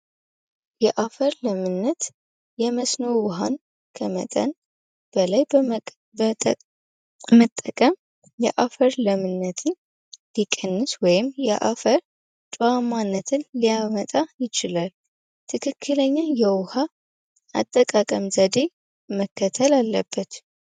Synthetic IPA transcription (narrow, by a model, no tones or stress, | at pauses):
jɛʔafəɾləmɨnːət̪ | jɛməsnowʊɦan | kʰəmə̰t̪ʼə̰n | b̥əlaj | mət̪ʼːəkʼəm | jɛʔafəɾləmɨnːət̪ʰɨn | likʼɨnːɨswɔjɪmjɛʔa̰fəɾ | t͡ʃʼoamːanːət̪ʰɨnlijamət̪ʼajɪt͡ʃɪlal | t̪ʰɨkʰɨkʰːɨləɲːajɛwʊha | ʔa̰t̪ʼːəkʼakʼəmzəd̪e̞ | məkʰːət̪ʰəlalːəbːət̪